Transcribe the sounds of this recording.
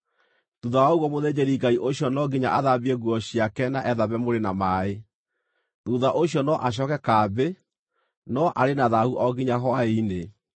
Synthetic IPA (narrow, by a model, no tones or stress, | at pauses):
tuðawaoɣwɔmoðed͡ʑɛɾiɡaiʔoɕjɔnɔɡiɲa̰ʔaðabiɛɣwɔɕjakɛnaʔɛðaβɛmoɾenamae | tuðaʔoɕiɔnɔʔaɕ̬ɔkɛkaːbe | nɔʔaɾenaðahuʔɔɡiɲaɦɔaeine